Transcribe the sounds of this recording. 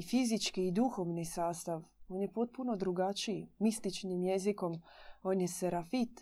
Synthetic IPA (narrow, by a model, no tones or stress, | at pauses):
fizit͡ʃkiːd̪uxo̞ʋnisaːst̪aʋo̞ːnjepo̞t̪̚punod̪ɾuɡat͡ʃiimist̪it͡ʃnimje̞ziko̞mo̞ːnjeseɾafit̪